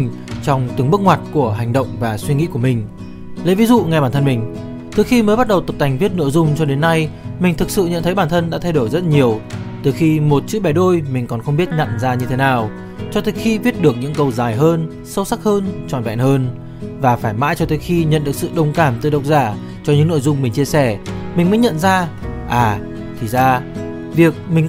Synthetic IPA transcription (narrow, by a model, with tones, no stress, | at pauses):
ŋ̟ | t͡ɕɔ˧wŋ͡mt̪ɨ˨˦əŋɓɨ˦˥ək̚ŋwaː˨˩t̚ku˧˩əɦa˨˩jŋɗə̰˧˨wŋ͡mvaː˨˩swi˧ŋḭ˧˥ku˧˩əmï˨˩ŋ̟ | lə̰˧˥vi˨˦zṵ˧˨ŋɛ˧ɓaː˧˩t̪ʰə˧nmï˨˩ŋ̟ | t̪ʰɨ˨˩xi˧məː˨˦jɓa˦˥t̚ɗə˨˩wt̪ə˨˩t̪a˨˩ŋvi˦˥ət̚no̰˧˥˨jzʊ˧ŋ͡mt͡ɕɔ˧ɗe˨˦nːa˧jmï˨˩ŋ̟t̪ʰɨ˨˩k̚sɨ̰˧˨ɲə̰˧˨nt̪ʰə˨˦jɓaː˧˩nt̪ʰə˧nɗa̰ː˧˥t̪ʰjɗo˧˩jzə˦˥t̚ɲi˨˩əwt̪ɨ˨˩xi˧mo˨˩t̚t͡ɕɨ̰˧˥ɓɛ˨˩jɗo˧jmï˨˩ŋ̟kɔ˨˩nxə˧ŋ͡mɓi˦˥ət̚ɲa̰˧˨nzaː˧ɲɨ˧t̪ʰe˨˦naː˨˩w | t͡ɕɔ˧t̪ʰəː˨˦xi˧vi˦˥t̚ɗɨ˨˩ək̚ɲɨ̰˧˥ŋkə˧˩wzaː˨˩jɦəː˧n | sə˧wsa˦˥k̚həː˧nt͡ɕɔ̰˧˨˩nvɛ̰˧˨nhəː˧n | vaː˨˩faː˧˩jma̰ː˧˥jt͡ɕɔ˧t̪əː˨˦jxi˧ɲə̰˧˨nɗək̚sɨ̰˧˨ɗə˧˩wŋ͡mkaː˧˩mt̪ɨ˨˩ɗə˨˩wk͡p̚zaː˧˩ | t͡ɕɔ˧ɲɨ̰˧˥ŋno̰˧˨jzʊ˧ŋ͡mmï˨˩ŋ̟t͡ɕi˧əsɛ˧˩mï̟˨˩əː˨˦jɲə̰˧˨nzaː˧ | ʔaː˨˩ | t̪ʰi˨˩zaː˧ | vi˨˩ək̚mï˨˩ŋ̟